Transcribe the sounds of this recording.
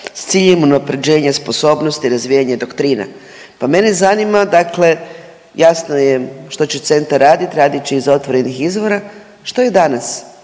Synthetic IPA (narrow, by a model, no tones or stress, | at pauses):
st̪siːʎemunapɾe̞d͡ʑe̞ːɲaspo̞so̞ːbno̞st̪iɾazʋijaɲed̪o̞kt̪ɾiːna̰ | pame̞nezanimad̪akle̞ | jasno̞jeʃt̪o̞t͡ɕet̪se̞nt̪aɾaːd̪it̪ɾaːd̪it͡ɕeizo̞t̪ʋo̞ɾe̞nixizʋo̞ɾa | ʃt̪o̞je̞d̪anas